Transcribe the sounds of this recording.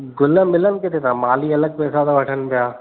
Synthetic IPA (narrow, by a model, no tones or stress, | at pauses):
ɡʊləmɪlənɪ̆kɪt̪ʰet̪ãmaːliɐləɡ̚pɛːsat̪oʋɐʈʰənpijaː